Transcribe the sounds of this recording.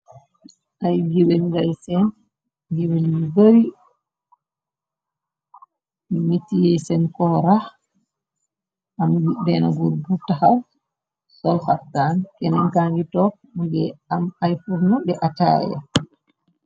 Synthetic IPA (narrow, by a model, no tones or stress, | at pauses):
ʔajɡiwenɡajsɛn | ɡiweniboɾi | mimetːijɛsɛnkɔɾah | ʔambibɛna̰ɡuɾbutaha | sɔlhaftːankɛnɛŋkaŋɡitɔ | ɡɛamajfuɾnɔɗɛʔata̰ja̰